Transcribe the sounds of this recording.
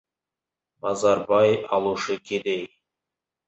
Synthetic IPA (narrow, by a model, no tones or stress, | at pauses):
mɑzɑɾbɑjɑlˠuʃəkʲʰed̪ej